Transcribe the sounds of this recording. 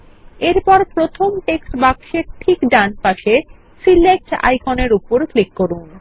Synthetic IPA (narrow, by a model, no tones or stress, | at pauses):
eɾpɔɾpɾot̪ʰomʈeksʈbakʃeɾʈʰikɖaɳpaʃe | silek̚ʈa̰jkoneɾupoɾklikːoɾun